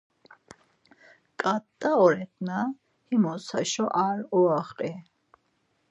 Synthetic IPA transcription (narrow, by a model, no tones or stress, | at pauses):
kʼat̪ʼːaɔɾɛt̪ʰna | himɔsa̰ʃɔʔaɾɔaχqʼɛ